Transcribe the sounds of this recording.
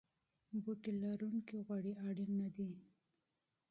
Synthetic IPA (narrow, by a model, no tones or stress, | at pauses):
buʈilaɾuŋkiɣwaɽiʔaɽinːad̪i